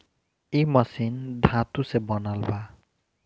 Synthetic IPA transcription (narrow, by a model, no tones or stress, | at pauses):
imasind̪ʱat̪usebɔnalba